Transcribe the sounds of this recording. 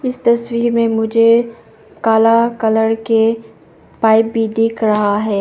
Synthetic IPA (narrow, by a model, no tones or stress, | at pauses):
ɪst̪ɐswiːɾmẽmʊd͡ʒʱe | kaːlakɐləɽke | paːɪp̚bʱid̪ɪːkʰɾɐɦaɦɛː